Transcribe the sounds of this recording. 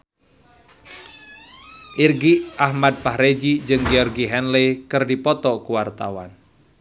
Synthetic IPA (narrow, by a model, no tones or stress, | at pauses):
ʔirɡiʔahmad̪̚pahɾed͡ʒid͡ʒɨŋɡeɔrɡiɦɛnlekɨrdipɔt̪ɔkuwart̪a̰wa̰n